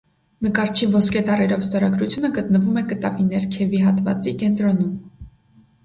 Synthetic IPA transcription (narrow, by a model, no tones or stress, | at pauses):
nəkɑɾt͡ʃʰivɔskɛt̪ɑrɛɾɔvst̪ɔɾɑɡɾut͡sʰjunəɡət̪nəvumɛkət̪ɑvinɛɾkʰɛviɦɑt̪vɑ̰t͡sikɛnt̪ɾɔnum